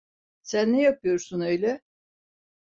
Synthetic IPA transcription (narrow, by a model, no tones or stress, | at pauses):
sænːejapʰɯjo̞ɾsunø̞jlʲɛ